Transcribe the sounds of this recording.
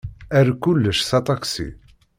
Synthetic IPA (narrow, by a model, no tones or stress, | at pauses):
æɾkulːəʃsɑt̪ˤɑksḭ